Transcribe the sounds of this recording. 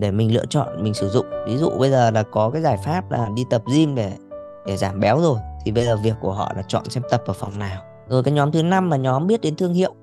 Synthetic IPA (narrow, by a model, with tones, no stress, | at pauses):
ɗe˧˩mï˨˩ŋ̟lɨ̰˧˨ət͡ɕɔ̰˧˨nmï˨˩ŋ̟sɨ˧˩zʊ̰˧˨ŋ͡mvi˨˦zṵ˧˨ɓə˧jzəː˨˩laː˨˩kɔ˨˦kaː˨˦jzaː˧˩jfaː˦˥p̚la̰ː˨˩ɗi˧t̪ə˨˩p̚zi˧mɗe˧˩ | ɗe˧˩zaː˧˩mɓɛ˨˦wzo˨˩jt̪ʰi˨˩ɓə˧jzəː˨˩vi˨˩əkːu˧˩əɦɔ̰˧˨laː˨˩t͡ɕɔ̰˧˨nsɛ˧m̚t̪ə˨˩p̚ʔəː˧˩fa˨˩wŋ͡mnaː˨˩w | zo˨˩jkaː˨˦jɲɔ˨˦mt̪ʰɨ˨˦na˧mlaː˨˩ɲɔ˨˦mɓi˦˥ət̚ɗe˨˦nt̪ʰɨ˧əŋhḭ˧˨əw